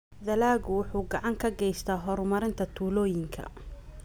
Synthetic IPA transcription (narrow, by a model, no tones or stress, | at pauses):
ðɐlaːɣʊwʊħuːɡɑʕɑŋkʰɐɡɛjst̪ʰaːɦɔɾmɐɾɪnt̪ʰɐt̪ʰuːlɔːjɪŋkʰɐ̰